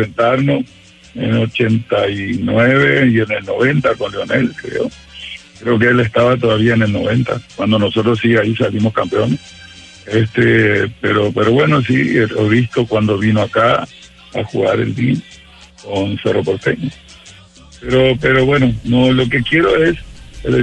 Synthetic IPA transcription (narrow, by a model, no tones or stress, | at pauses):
sent̪aɾnos | ḛnot͡ʃe̞nt̪ajnweβeiene̞lno̞βent̪akonleo̞ne̞lkɾḛo | kɾe̞ok̬eelest̪aβat̪̬oðaβiaene̞lno̞βe̞nt̪a̰kwand̪o̞noso̞t̪ɾossiaisalimo̞skampeones | est̪epeɾo̞peɾo̞βwe̞no̞s̬ioβist̪o̞kwand̪o̞βinoaka | a̰xuɣa̰ɾḛld̪in | konseropoɾt̪eno | peɾope̞ɾoβwe̞nonolo̞ke̞kje̞ɾo̞ese